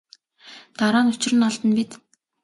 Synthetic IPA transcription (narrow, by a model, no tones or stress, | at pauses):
t̪aɾaːnʊt͡ɕɪ̆rɘ̆nɔɮt̪ə̆npit̪